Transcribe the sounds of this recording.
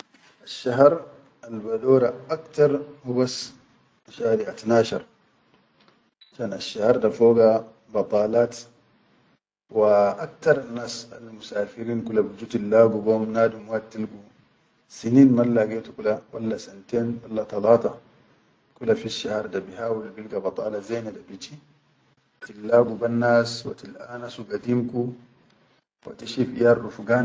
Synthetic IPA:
aʃːaɦɾˤ | albadoːɾaʔakt̪ɑɾˤmubas | ʃaːɾiʔat̪naːʃɑ̰ɾˤ | at͡ʃaːnaʃːahɑɾˤdafoːɡa | bɑt̪ˤɑːlaːt̪ | waʔakt̪ɑɾˤanːaːsa̰lmusaːfiɾiːnkulabid͡ʒuːt̪ilːaːɡuɡoːmnaːd̪umwaːtt̪ːilɡu | siniːnmalːaɡetukulawalːasant̪eːnwalːat̪ɑlaːt̪ɑ | kulafiʃːahɑɾˤdabihaːwulbilɡabɑt̪ˤɑ̰ːlazeːnidabit͡ʃi | tilːaːɡubanːaːswa̰t̪ilʔanasuɡadimku | wa̰t̪iʃifḭjaːrːufɡaːn

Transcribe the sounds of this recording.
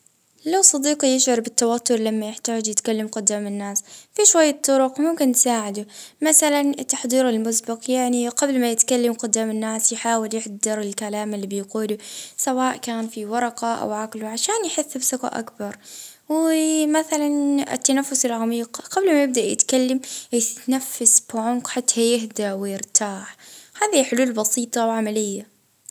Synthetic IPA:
lawsˤɑd̪iːqɑjɪʃʕɑɾˤbɪt̪ːawat̪ːʊɾlamːajɪħt̪aːd͡ʒjɪt̪kalːamqʊd̪ːaːmɪnːaːsfiʃwajːɑt̪ˤːʊɾʊqmʊmkɪnt̪saːʕɪd̪ʊmaθalant̪ːaħd̪ˤiːɾɪlmʊsbɪqjaʕniqablmajɪt̪kalːamqʊd̪aːmɪnːaːsjħaːwɪljɪħdd̪ɪɾɪlkalaːmɪlːiːbɪjquːlusawaːʔkaːnfiwɑɾˤɑqɑʔa̰wʕakɪlʕaʃaːnjħɪθːɪbsʊka̰ʔa̰kbɑɾˤwɪmaθalanɪ̰t̪ːanafːʊsɪlʕamiːqqɑblmajɪb̚d̪aʔjɪ̰t̪kalːamjɪnafːasbʕʊmqħat̪ːhajɪɦd̪aʔwɪjɪɾt̪ʰaːħhaːðiħʊluːlbɑsiːt̪ˤɑwʕamalɪjːa

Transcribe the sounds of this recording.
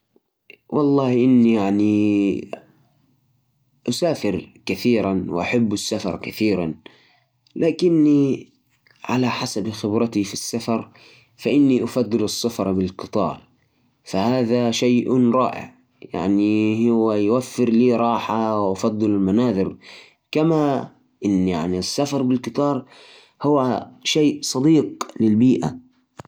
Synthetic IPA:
wʔɑlˤːɑːhʔɪnːijaʕni | ʔasaːfɪɾkaθiːɾanwɪ̰ʔa̰ħabːasːafɑ̰ɾˤkaθiːɾan | lʔaːkɪnːi | ʕalaħasabxɪbɾɑt̪ifisːafɑɾˤ | faʔɪnːiʔafɑd̪ˤːɨlɑsːafɑɾˤbɪlqɨt̪ˤɑ̰ːɾˤ | fahaːðaʃajʔɾˤɑːʔɪ̰ʕ | ja̰ʕnihʊwːajwafːɪɾliːɾˤɑːħawʔafɑd̪ˤːɨlalmanaːðˤɪɾ | kama | ʔɪnːja̰ʕnisːafɑɾˤbɪlkɨt̪ˤɑːɾˤ | hʊwaʃeːʔsˤɑd̪ˤiːqlɪlbiːʔa̰

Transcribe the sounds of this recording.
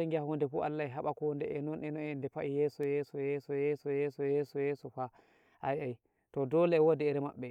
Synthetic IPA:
aŋɡiahondɛkṵʔa̰lːaɛɦaɓakɔndɛʔɛnɔnɛnɔndɛpaʔijɛsɔjɛːsɔjɛːsɔjɛsɔjɛsɔjɛsɔjɛsɔfa | ʔajaj | tɔdɔlɛɛwodɛɛɾɛma̰ɓːɛ

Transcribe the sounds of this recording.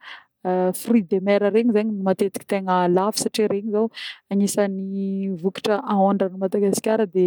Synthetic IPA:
frid̪emɛɾəɾeɲizaɲinimat̪et̪i̥ki̥t̪eŋəlafi̥saʈ͡ʂiɾeɲizawaɲisanivuki̥ʈ͡ʂəʔaoɳɖ͡ʐanumad̪aɡasi̥kʲaɾəd̪e

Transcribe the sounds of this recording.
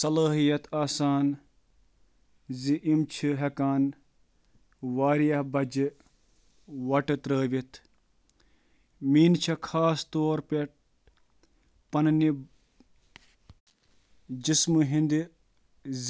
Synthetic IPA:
sɐlaːɦijɐt̪aːsaːn | ziʔimt͡ʃʰiɦɐkaːn | ʋaːɾjɐhbɐd͡ʒi | ʋɐʈɨt̪ɾəːʋit̪ʰ | miːnt͡ʃʰɐkʰaːst̪oːɾpeʈ̚ | pɐnni | d͡ʒismuɦind̪i

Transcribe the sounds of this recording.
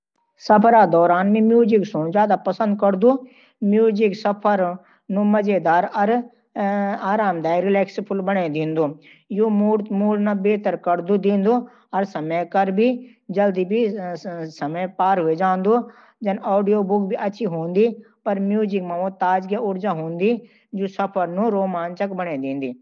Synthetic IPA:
sɐpʰɾad̪ɔːɾaːnmẽmjuːd͡ʒɪksõːd͡ʒjaːd̪apɐsə̃nd̪̚kɐɾd̪uː | mjuːd͡ʒɪksɐpʰəɾ | nũmɐd͡ʒed̪aːɾɐɾ | aːɾaːmd̪aːiɾɪlɛːkspʰʊlbəɽed̪ẽːnd̪oː | joːmuːɖnabeːt̪əɾkɐɾd̪ud̪ẽːnd̪oː | ɐɾsɐmekɐɾbʱi | d͡ʒɐld̪iːbʱi | sɐməpaːɾɦʊed͡ʒãːnd̪oː | d͡ʒɐnoːɖijoːbʊkbʱiʔɐtːt͡ʃʰiːɦõːnd̪iː | pɐɾmjuːzɪkmãːʋõt̪aːd͡ʒɡjaʊɾd͡ʒaːɦõːnd̪iː | d͡ʒoːsɐpʰəɾnũːɾoːmaːnt͡ʃəkbəɳeːd̪ẽːnd̪iː

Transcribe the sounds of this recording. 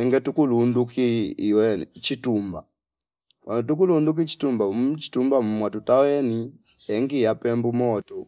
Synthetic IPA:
ɛŋɡɛtukulundukiːwɛt͡ʃitumba | ant̬uk̬ulunduk̬it͡ʃi̥tumbamt͡ʃi̥tumbam̩mwatutawɛni | ɛŋɡijapɛmbumɔtɔ

